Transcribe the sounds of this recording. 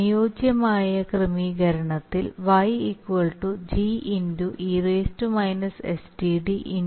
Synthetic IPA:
ijoːd͡ʑjɐmaːjɐkrɨmiɡɐɾɐɳɐt̪ːilʋɐjikːʋɐɭʈud͡ʑiʔinduʔiːreːstumɐjnɐsḛsdiɖiʔin

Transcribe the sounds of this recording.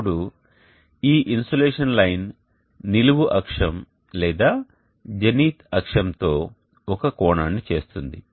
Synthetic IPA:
ɽu | iːʔinsoːleːʂɐnlɐjnː | iluʋuʔɐkʂɐm | lɛːd̪aː | d͡ʒɐniːt̪ʰɐkʂɐmt̪o̞ː | ɔkɐkɔːɳaːnːit͡ʃe̞ːst̪und̪ḭ

